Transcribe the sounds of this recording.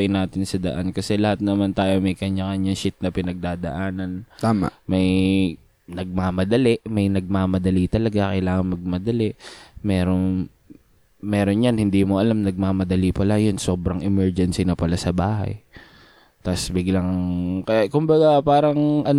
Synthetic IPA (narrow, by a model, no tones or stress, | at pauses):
ɐjnaːt̪ɪnsɐd̪ɐ̰ʔankɐsɛlɐhat̪̚nɐmant̪aːjo̞mɐjkɐɲɐŋɐɲjɐŋʃɪt̪̚nɐpɪnɐɡ̚d̪aːd̪ɐ̰ʔaːnɐnt̪aːmma̰mɐj | nɐɡ̚maːmɐd̪ɐlɛʔmɐjnɐɡ̚maːmɐd̪ɐlit̪ɐlɐɡakɐjlaːŋɐnmɐɡ̚mɐd̪ɐlɛʔmɛːɾo̞n | mɛːɾo̞njɐnhɪnd̪iːmoʔɐlamnɐɡ̚maːmɐd̪ɐlipɐlajonso̞ːbɾɐŋʔɛmɛɹd͡ʒɛnsɪnɐpɐlasɐbaːhɐ̰j | t̪asbɪɡlaŋkɐkʊmbɐɡapaːɾɐŋʔɐn